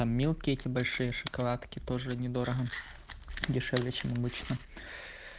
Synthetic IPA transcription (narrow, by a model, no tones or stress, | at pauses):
amːʲilˠkʲɪɛtʲɪbɐlʲʂɨjəʂɨkɐlˠat̪kʲɪt̪oʐɨnʲɪd̪oɾəɦɐ | dʲɪʂɛvlʲɪt͡ɕɛmɐbɨt͡ɕnə